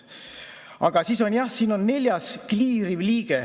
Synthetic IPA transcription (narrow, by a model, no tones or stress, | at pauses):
ʔɑ̰ɡ̥ɑsiːso̞njɑhsiːno̞nːe̞lʲjɑskliːɾivliːɡ̥e